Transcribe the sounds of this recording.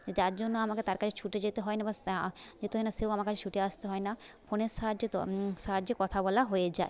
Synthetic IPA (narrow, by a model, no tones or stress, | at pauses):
ed͡ʑaɾd͡ʑonːoamaket̪aɾkat͡ɕʰet͡ɕʰuʈed͡ʑet̪eɦɔenabasd͡ʑet̪eɦɔejnaseowamaɾkat͡ɕʰet͡ʃʰuʈeast̪eɦɔena | foneʃad͡ʑet̪sad͡ʑekɔt̪ʰabɔlaɦojed͡ʑae